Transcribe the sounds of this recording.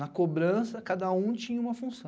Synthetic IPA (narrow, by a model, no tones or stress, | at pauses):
nɐkobɾɐ̃sɐkad̪ɐũt͡ʃĩɲɐũmɐfũsɐ̃